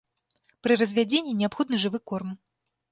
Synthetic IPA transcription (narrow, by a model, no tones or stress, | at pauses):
pɾɨrɐzʲvʲad͡zʲenʲːinʲɛapxɔd̪nɨʐɨvɨkɔrm